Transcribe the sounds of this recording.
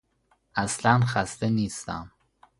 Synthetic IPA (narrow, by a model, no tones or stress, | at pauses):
ʔæslænxæst̪eniːst̪æ̰m